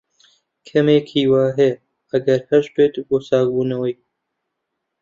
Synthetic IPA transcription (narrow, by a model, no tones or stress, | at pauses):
kʰɐmeːkʰiːwaːɦe | ɐɡɐɾhɐʃteːt̪ɡoːsaːkbuːnɐwɐj